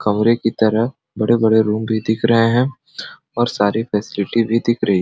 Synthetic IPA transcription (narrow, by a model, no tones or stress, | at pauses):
kɐmɾekit̪ɐɾəɦ | bɐɽebɐɽeɾuːmbʱid̪ɪkʰɾɐɦeɦɛ̃ | ɔːɾsaːɾifʰɛːsɪlɪʈibʱid̪ɪkʰɾɐɦi